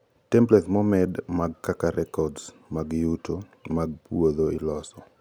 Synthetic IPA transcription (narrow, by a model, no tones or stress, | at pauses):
tɛmplɛt̪mɔmɛdmaɡ̚kakaɾʔɛkɔds | maɡjutʰo | maɡ̚pwod̪oilɔsɔ